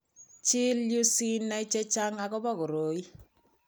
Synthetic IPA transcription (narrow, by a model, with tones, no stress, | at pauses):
t͡ʃɪ˦lju˦si˦nːa˦i˦t͡ʃe˦t͡ʃa˦ŋa˨kɔ˦bɔ˦kʊ˨ɾo˨˦i˦